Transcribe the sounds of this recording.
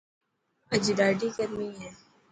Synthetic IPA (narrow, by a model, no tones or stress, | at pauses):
ɐd͡ʒɖaːɖikɐɾnɐĩɦɛː